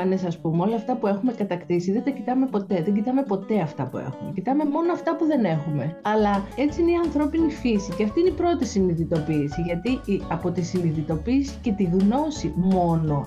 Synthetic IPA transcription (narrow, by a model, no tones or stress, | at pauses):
ɐnesɐspumeo̞lɐːft̪ɐpue̞xume̞kɐt̪ɐkt̪isiðe̞nt̪ɐcit̪ɐmepo̞t̪e̞ðeɲɟit̪ɐme̞po̞t̪e̞ɐft̪ɐ̰pṵḛxumecit̪ɐme̞mo̞noɐft̪ɐpuðe̞ne̞xume̞ɐlɐe̞t͡siineiɐnθɾo̞pinifisiceɐft̪ineipɾo̞t̪isiniðit̪o̞piːsiʝɐt̪iiɐpo̞t̪isiniðit̪o̞piːsi̥ce̞t̪iɣno̞simo̞no̞